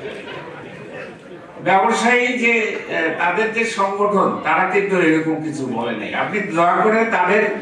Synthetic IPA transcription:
bɛboʃajd͡ʑet̪ad̪eɾd͡ʑeʃɔŋɡoʈʰont̪aɾaket̪oɾejɾɔkomkit͡ɕʰubɔlena̰ja̰pnid̪ɔakoɾent̪ad̪eɾ

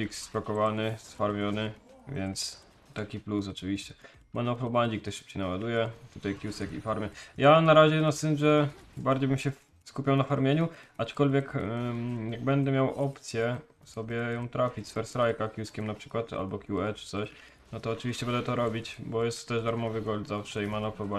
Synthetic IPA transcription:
iksspakɔvanɘsfaɾmʲjɔnɘvʲjɛnt̪s | t̪akʲiplus̬ɔt͡ʂɨvʲiɕt͡ɕɛ | manɔpɾɔbaɲd͡ʑik̚t̪ɛʂʂɨ̥p̚t͡ɕejnawad̪ujɛt̪ut̪ajkʲjusɛkḭfaɾmʲɛjanaɾaʑɛnɔst̪ɘnʐɛbaɾd͡ʑejbɘmɕɛ | skupʲawnafaɾmʲjeɲuat͡ʂkɔlvʲjɛk | jaɡ̚bɛnd̪ɛmʲjawʔɔpt̪sʲjɛ | sɔbʲjɛjɔ̃w̃t̪ɾafʲit͡ɕsfɛɾsɾajkakʲjuskʲɛmnapʂɘ̥kwat̪a̰lbɔkʲjuɛt͡ʂɨ̥t̪sɔɕ | nɔt̪ɔːt͡ʂɨvʲiɕt͡ɕɛbɛnd̪ɛt̪ɔɾɔbʲit͡ɕbɔjɛst̪ːɛʐd̪aɾmɔvɘɡɔlzafʂɛimanɔpɾɔba

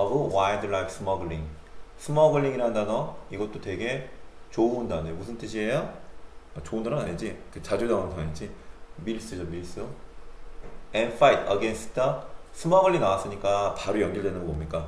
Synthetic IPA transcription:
aɡowajdɯɭajkʰs͈ɯmʌɡɯɭiŋ | sʰɯmʌɡɯɭːiŋiɾɦandanʌiɡʌt̚t͈otwe̞ɡe̞t͡ɕondandejomusʰɯnt͈ɯɕʰiɦejʌat͡ɕoundaɾɯnaɲid͡ʑikɯt͡ɕad͡ʑudaŋantʰaaɲid͡ʑimiɭs͈ɯd͡ʑʌmiɭs͈ɯ | enfʰaitʰʌɡensʰɯ̥tʰʌsʰɯmʌɡɯɭːinawas͈ɯɲik͈apaɾojʌŋɡiɭdwe̞nɯnŋɡʌmomɲik͈a

